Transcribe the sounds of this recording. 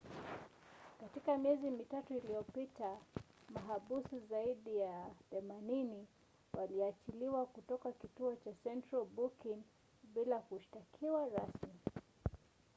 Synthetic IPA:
katikamiɛzimitatuilijɔpitamaɦaɓusizaiɗijaθɛmanini | wʔaliat͡ʃiliwakutɔkakituɔt͡ʃasɛntɾalbukiŋ | ɓilakuʃi̥takʰiwaɾasmi

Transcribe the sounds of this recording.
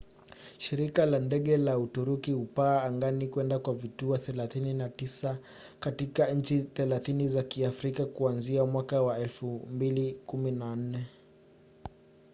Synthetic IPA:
ʃiɾikalandɛɠɛlautuɾukiupaːŋɡanikwɛndakwavituɔθɛlaθininatisa | katikaɲ̩t͡ʃiθɛlaθinizakiafɾikakuanziamwakawaɛlfumbilikuminan̩nɛ

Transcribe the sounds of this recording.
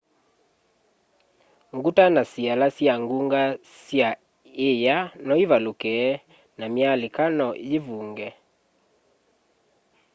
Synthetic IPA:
ŋɡutanasialasjaŋɡuŋɡa | sja | ejanɔiβalokɛ | namjalekanɔjevuːŋɡɛ

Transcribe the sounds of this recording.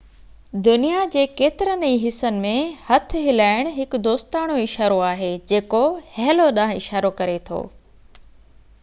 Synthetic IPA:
d̪ʊnijad͡ʑeːkeːt̪ɪɾənĩɦɪsənɪ̆mẽhɐt̪ʰɪɦɪlaːɪɽ̃ɦɪkʊ̆d̪oːst̪aːɽ̃oɪʃaːɾoaːɦed͡ʑeːkohɛɦloɗãːɦɪʃaːɾokɐɾet̪ʰo̰ː

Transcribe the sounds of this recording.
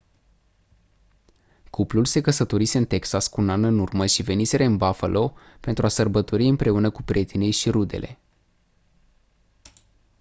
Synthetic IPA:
kuplulse̞kəsət̪o̞ɾise̞ɨnt̪e̞ksaskuunanɨnurməʃive̞nise̞ɾeɨnbafalʔo̞pe̞nt̪ɾuasərbət̪o̞ɾiɨmpɾe̞unəkupɾʲie̞t̪inejʃiɾud̪e̞̰lʔe̞̰

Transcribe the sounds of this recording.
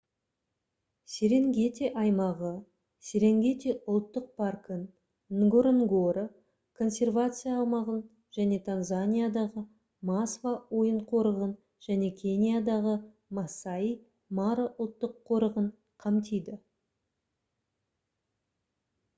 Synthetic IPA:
sʲeɾe̞ŋɡʲe̞t̪e̞ʔɑjmɑʁə | sʲe̞ɾe̞ŋɡʲe̞t̪eʔʊlˠt̪ːəq̚pʰarkən | nɡoɾeŋɡoɾə | kʰo̞nsʲe̞rvat̪sɨjaːw̪ˠmɑʁən | ʒ̥æne̞t̪ʰanzanʲijad̪ɑʁə | masvawo̞jəɴqʰo̞ɾəʁən | ʒ̥æne̞kʲʰe̞nʲijad̪ɑʁə | masai | maɾəʔʊlˠt̪ːəqʰːo̞ɾəʁəɴ | qʰɑmt̪ʰejd̪ɪ

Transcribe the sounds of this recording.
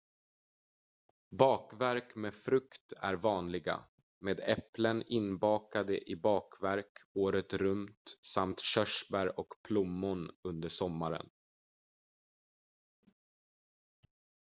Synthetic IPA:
bɑːkvæɾkmeːfɾɵkt̪æ̰ɾvɑːnlɪɡa̰ | meːd̪ɛplənɪnbɑːkad̪əʔɪbɑːkvæɾkoːɾət̪ɾɵmt̪samt̪ɕœʂbæɾɔkpʰlʊmːʊnɵnd̪əʂɔmːaɾə̰n

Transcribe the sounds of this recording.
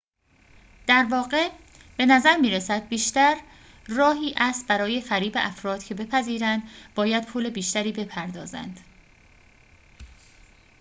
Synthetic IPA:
d̪̥æɾvɒːɢe̞ | b̥e̞næzæɾmiːɾesæd̪̚biːʃt̪æɾ | rɒːɦiːʔæst̪̚bæɾɒːje̞fæɾiːbe̞ʔæfɾɒːd̪̥cʰe̞be̞pʰæziːɾænd̪bɒːjæd̪̚pʰuːle̞biːʃt̪æɾiːbe̞pʰæɾd̪ɒ̰ːzæ̰nd̪̥

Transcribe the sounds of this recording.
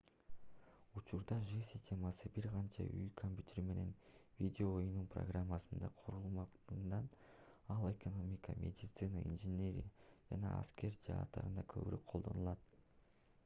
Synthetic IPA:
ut͡ʃuɾd̪ɑʐɨsʲɪ̥sʲtʲe̞mɑsɯbiɾqɑnt͡ʃɑ̰y̰jkʰomʲpʲjyt̪ʲeɾime̞ne̞nvʲidʲeoːjununpro̰ɡramːɑsɯnd̪ɑqʰoɾulˠmɑq̪nɑn | ɑlˠe̞ko̞no̞mʲikɑmʲʔe̞̰dʲit̪sɨnaḭnʐɨnʲe̞ɾʲḭjad͡ʒɑnɑɑ̰skʲe̞ɾd͡ʒɑːt̪ːɑ̰ɾɯnd̪ɑkʰø̞̰βyɾøk̚qʰo̞lˠd̪o̞̰nulˠɑt̪

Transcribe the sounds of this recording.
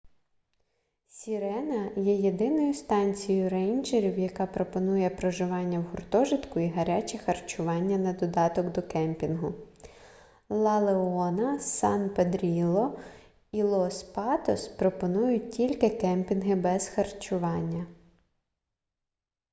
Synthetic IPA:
sʲiɾɛnɐjɛje̞d̪ɪnɔjʊst̪ɑnʲt͡sʲijjʊrɛjnd͡ʒeɾʲiwjɐkɑpɾɔpɔnujɛpɾɔʒɪʋɑnʲːɐwɦʊrt̪ɔʒɪt̪kʊiɦɐɾʲat͡ʃʲɛxɐrt͡ʃʊʋɑnʲːɐnɐd̪ɔd̪ɑt̪ɔkd̪ɔkɛmpʲinɦʊ | lˠɑlˠeɔnɐsɑnped̪ɾʲilˠɔ | ilˠɔspɑt̪ɔspɾɔpɔnujʊt̚ʲtʲilʲkɪkɛmpʲinɦɪbɛz̥xɐrt͡ʃʊʋɑnʲːɐ

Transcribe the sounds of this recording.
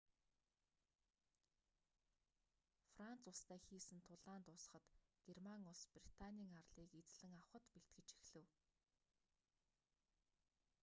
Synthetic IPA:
fran̥t͡sʊɮst̪æːxiːsɘ̆nt̪ʰʊɮaːnt̪ʊs̆χə̆t̪ɡ̥ermaŋʊɮsprit̪ʰaniːŋarɮiːket͡sɮɘ̆ŋawχə̆t̪peɬt̪̚ɡɘ̆t͡ɕi̥xɮɘ̆w

